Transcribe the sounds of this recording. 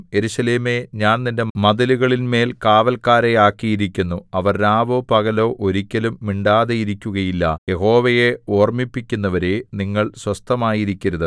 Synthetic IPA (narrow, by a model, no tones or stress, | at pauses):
je̞ɾuɕɐleːme̞ɲaːnnindemɐðɐluɣɐɭinme̞ːlkaːʋɐlkaːɾeaːkːijiɾikʲːunːuɐʋɐrnaːʋoːpɐɣɐlo̞ːʔoɾikʲːɐlumːiɳɖaːðejiɾikʲːuɣɐjilːɐje̞ɦo̞ːʋɐje̞oːrmipːikʲːunːɐʋɐɾeniŋːɐɭswɐst̪ʰɐmaːjiɾikʲːɐɾɐðɨ